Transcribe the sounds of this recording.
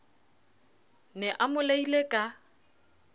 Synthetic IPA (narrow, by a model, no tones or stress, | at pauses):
nɛʔamʊleilekʼa